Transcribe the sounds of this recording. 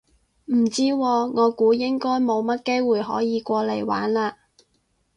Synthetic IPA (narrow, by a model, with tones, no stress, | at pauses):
m̩˨˩t͡siː˥wɔː˧ŋɔː˨˧kuː˨˥jɪ˥ŋkɔː˥jmo˨˧wmɐ˥t̚ke˥jwuː˨jɦɔ̰ː˨˥jiː˨˧kʷɔː˧le˨˧jwa̰ː˨˥nlaː˧